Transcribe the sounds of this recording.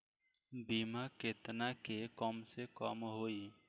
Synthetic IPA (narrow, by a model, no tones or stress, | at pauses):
bimaket̪nakekɔmsekɔːmɦoi